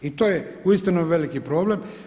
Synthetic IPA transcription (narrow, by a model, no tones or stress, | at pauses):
it̪oːjeuist̪inuʋe̞likipɾo̞ːble̞m